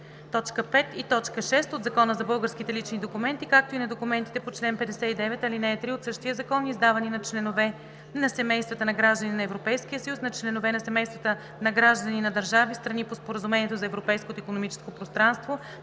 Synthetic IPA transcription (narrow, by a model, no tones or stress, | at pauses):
t̪ɔt͡ʃkəpɛt̪it̪ɔt͡ʃkəʃɛst̪od̪zɐkɔnəzɐbɤlˠɡəɾskit̪ɛlit͡ʃnid̪okumɛnt̪ikak̚t̪oinɐd̪okumɛnt̪i̥t̪ɛpot͡ʃlɛnpɛd̪ɛsɛid̪ɛvɛt̪ɐlinɛːt̪ɾiot̪sɤʃt̪iəzɐkɔnizd̪avɐninɐt͡ʃlɛnovɛ | nɐsɛmɛjst̪vɐt̪ənɐɡɾaʒd̪əninɐɛvɾopɛjskijəsəjusnɐt͡ʃlɛnovɛnɐsɛmɛjst̪vət̪ə | nɐɡɾaʒd̪əninɐd̪əɾʒavist̪ɾɐnipospoɾəzumɛnʲiɛt̪ozɐɛvɾopɛjskot̪oikonomit͡ʃɛ̥skopɾost̪ɾanst̪vo